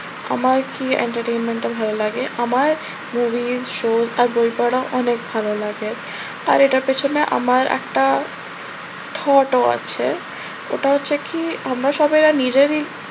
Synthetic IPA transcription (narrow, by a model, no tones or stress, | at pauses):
a̰maɾkiḛɳʈaɾʈejnmeɳʈabʱalolaɡeʔamaɾ | muvizʃozaɾbojpaɽaʔɔnek̚bʱalolaɡe | a̰ɾeʈaɾpet͡ɕʰoneʔa̰maɾɛ̰kʈa | t̪ʰɔʈoa̰t͡ɕʰe | o̰ʈaɦotːɕʰekʰiamɾaʃɔbajɾanid͡ʑeɾi